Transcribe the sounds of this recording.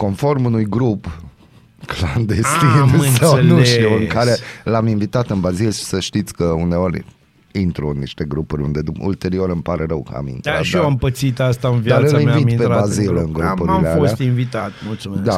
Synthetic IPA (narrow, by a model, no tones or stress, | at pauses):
ko̞nfo̞rmunujɡɾup | kland̪est̪insawnuʃt̪iuɨŋkaɾe̞lamiɱvit̪at̪ɨnbazilʃi̥səʃt̪it̪sʲkəune̞o̞ɾʲ | int̪ɾuɨnːiʃt̪e̞ɡɾupuɾʲṵnd̪e̞d̪uṵlt̪e̞ɾio̞ɾɨmpaɾeɾəwkə̰a̰mḭnt̪ɾa̰ʃoampət̪sit̪ast̪aɨnvjd̪aɨlimvit̪pebazilɨŋɡɾumpuɾialealosat̪iɱvit̪at̪mult̪sumed̪a